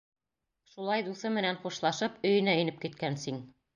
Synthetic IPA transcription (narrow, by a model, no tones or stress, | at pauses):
ʃulˠɑjd̪uθɤmɘ̆nænχuʃlˠɑʃɤpɵ̆jɘ̆næɵ̆nɘp̚kit̪̚kænsiŋ